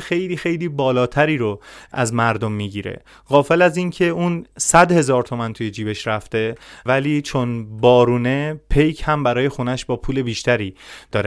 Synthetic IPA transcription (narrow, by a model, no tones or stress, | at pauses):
xe̞jliːxe̞jliːbɒːlɒːt̪ʰæɾiːɾo̞æ̰zmæɾd̪omːiːɟiːɾḛ | ɣɒːfe̞læzincʰe̞uːnsæd̪he̞zɒːɾt̪ʰo̞mænt̪ʰuje̞d͡ʒiːbe̞ʃɾæft̪e̞væliːt͡ʃʰonbɒːɾuːne̞pʰe̞jcʰhæmbæɾɒːje̞xunæʃbɒːpʰuːle̞biːʃt̪ʰæɾiːd̪̥ɒːɾe